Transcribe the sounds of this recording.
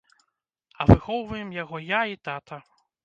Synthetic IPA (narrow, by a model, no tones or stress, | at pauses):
ɐvɨxɔwvɐjɛmjaɣɔjait̪at̪ʰɐ